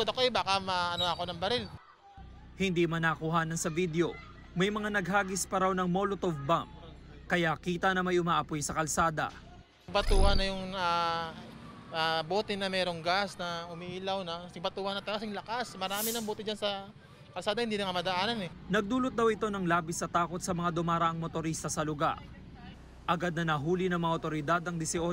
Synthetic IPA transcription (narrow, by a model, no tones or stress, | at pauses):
od̪ɐkoɛbaːkɐmɐʔɐnoɐko̞nɐŋbɐɾɪl | hɪnd̪imɐnakʊɦaːnɐnsɐvid̪eo̞ | mɐjmɐŋanɐɡɦaːɡɪspɐɾawnɐŋmolot̪ovbamkɐjakiːt̪ɐnɐmɐjʊmaːʔɐpojsɐkɐlsaːd̪ɐ̰ | ɡ̚bɐt̪uːhɐnːɐjʊŋa | aboːt̪ɪnɐmɛːɾoŋɡasnɐʊmiʔiːlawnɐsɐɡ̚bɐt̪uːhɐnɐt̪ɐlasɪŋlɐkasmɐɾaːmɪnɐŋboːt̪ɪd͡ʒansɐ | kɐlsaːd̪ɐhɪnd̪iːnɐŋamɐd̪ɐʔaːnɐnɛnɐɡ̚d̪uːlot̪̚d̪ɐwɪt̪o̞nɐŋlaːbɪsɐt̪aːko̞t̪̚sɐmɐŋad̪ʊmaːɾɐʔɐŋmot̪oɾiːst̪ɐsɐlʊɡa̰ɾ | ʔɐɡad̪̚nɐnɐɦuːlɪnɐŋmɐŋaʔot̪o̞ɾɪd̪ad̪ɐŋd̪ɪsɪʔo